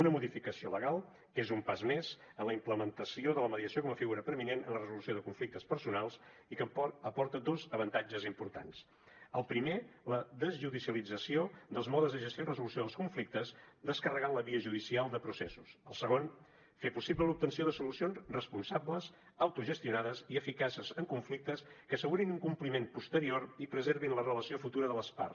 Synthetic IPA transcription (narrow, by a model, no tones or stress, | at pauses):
unəmuðifikəsioləɣalˠ | kezumpazmez̥ | ənləimpləmənt̪əsioðələməðiəsiokɔməfiɣuɾəpəɾminenənlərəzulusioðəkuɱflik̚t̪əspəɾsunalˠsikəpɔɾt̪əd̪ozəβənt̪ad͡ʒəzimpuɾt̪a̰ns | əlˠpɾimeləðəzʒuðisiəlid͡zəsiod̪əlˠzmɔðəzðəʒəst̪irəzulusioðəlˠskuɱflik̚t̪əzd̪əskərəɣanləβiəʒuðisialˠd̪əpɾusɛsusəlˠsəɣon | fepusibləlup̚t̪ənsioðəsulusionzrəspunsabləz | əwt̪uʒəst̪iunaðəziəfikasəzəŋkuɱflik̚t̪əskəːsəɣuɾinuŋkumplimempust̪əɾioɾipɾəzeɾβinlərələsiofut̪uɾəðələspa̰rs